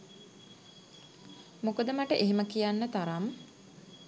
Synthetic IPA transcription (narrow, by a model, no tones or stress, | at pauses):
mokəd̪əmaʈəʔeɦiməkijanːət̪aɾam